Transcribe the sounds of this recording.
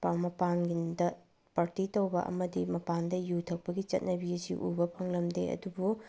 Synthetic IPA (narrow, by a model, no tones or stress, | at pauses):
pɐmɐpanɡindɐ | pɐɾtitɐwbɐ̰ʔɐ̰mɐdimɐpandɐjutʰɐk̚pɐɡit͡ʃɐ̰t̚nɐbiɐsḭʔṵbɐpʰɐŋlɐmdeɐ̰dubu